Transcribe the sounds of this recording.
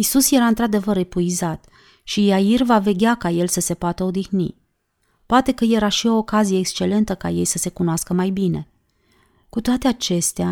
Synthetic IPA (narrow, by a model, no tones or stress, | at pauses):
isusje̞ɾaɨnt̪ɾad̪e̞vəɾepuizat̪ | ʃijairvave̞ɡʲakaje̞lsəse̞poat̪əo̞d̪ixnḭ | poat̪e̞kəje̞ɾaʃio̞ːkazije̞ːkst͡ʃe̞le̞nt̪əka̰je̞jsəse̞kunoaskəmajbine̞̰ | kut̪oat̪e̞at͡ʃe̞st̪ea